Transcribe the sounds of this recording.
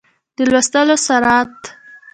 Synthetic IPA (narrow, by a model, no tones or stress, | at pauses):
d̪əlwast̪əlosaɾɑt̪